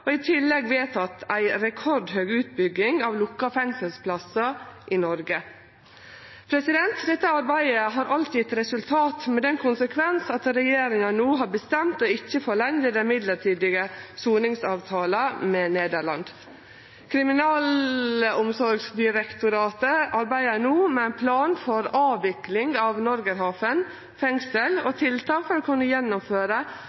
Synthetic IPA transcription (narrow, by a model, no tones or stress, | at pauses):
ɔɪt̪ʰɪlːɛɡʋeːt̪ɑt̪ʰæɪɾɛkʰɔɾɖɦøːɡʉːt̪̚bʏɡːɪŋɑʋlʊkːɑfɛŋsəlspʰlɑsɑʔɪnɔɾɡə | pʰɾɛsɪd̪ɛnt̪d̪ɛt̪ːəɑɾbæɪəɦɑːɾʔɑlt̪ɪt̪ɾɛsʉlt̪ʰɑːt̪mɛd̪ɛnkʰʊnsəkʰʋɛnsɑt̪ɾɛjeːɾɪŋɑnuːɦɑːɾbəst̪ɛmt̪oɪçːəfoɭɛɲd̪əd̪ɛnmɪd̪ləʈʰiːd̪ɪɡəsuːnɪŋsɑːʋt̪ʰɑːləmɛneːd̪əɾɭɑ̰nd̪ | kʰɾɪmɪnɑːlʊmsɔɾɡsd̪ɪɾɛkt̪ʊɾɑːt̪əʔɑɾbæɪənuːmɛæɪnpʰlɑːnfɔɾɑːʋɪklɪŋɑʋnɔɾɡəɾɦɑːfən | fɛŋsəlɔt̪ʰɪlt̪ʰɑːkfɔɾɔkʰʉnːəjɛnːʊmføːɾə